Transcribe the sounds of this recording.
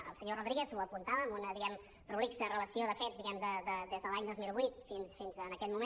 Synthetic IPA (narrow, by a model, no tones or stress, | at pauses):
ə̰lˠsəɲoruðɾiɣɛθuəpunt̪aβəːmunəðiɣɛm | ruliksərələsioðəfɛdzd̪iɣɛmd̪əd̪əd̪ezðəlaɲd̪ozmilˠβwit̪finsfinzənəkɛt̪mumẽn